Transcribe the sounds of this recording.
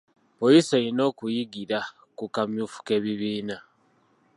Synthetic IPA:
pojiseɾino̞ːkujiɡiɾa | kukamjuːfu̥ke̞βiβiːna

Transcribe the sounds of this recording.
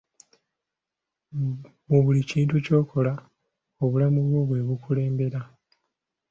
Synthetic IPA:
muβuliciːntuco̞ːkʰo̞la | o̞βulamuβwo̞βwe̞ːβukule̞ːmbe̞ɾa

